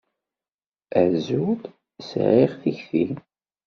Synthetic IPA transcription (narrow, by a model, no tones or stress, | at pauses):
əʕzud̪ | sʕiʁθiçθin